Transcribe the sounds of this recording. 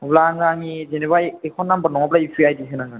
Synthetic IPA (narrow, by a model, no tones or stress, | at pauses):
blaŋɡaŋizenɛbajɛkʰɔnːambanɔŋablaipʰɾiajdisɯnaŋɡan